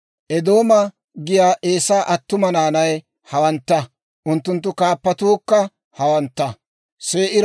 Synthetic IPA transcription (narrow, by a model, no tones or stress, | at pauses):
ʔɛd̪o̞ːmɐ | ɡɪjaːʔe̞ːsaːʔɐt̪ːʊmɐnaːnɐj | hɐwɐnt̪ːɐ | ʔʊnt̪ːʊnt̪̬ːʊkaːpːɐt̪uːkːɐ | hɐwɐnt̪ːɐ | seːʔɪɾ